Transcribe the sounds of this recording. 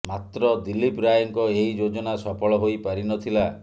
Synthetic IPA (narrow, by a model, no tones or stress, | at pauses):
mat̪ɾɔd̪ilipɾajɔŋkɔeɦid͡ʒod͡ʒɔnasɔpʰɔɭɔɦojpaɾinɔt̪ʰila